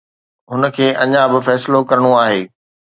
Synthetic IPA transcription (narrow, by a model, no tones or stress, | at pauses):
ɦʊnə̆kʰeːʔɐɲãbɪfɛːsɪlokɐɾəɽ̃oaːɦeː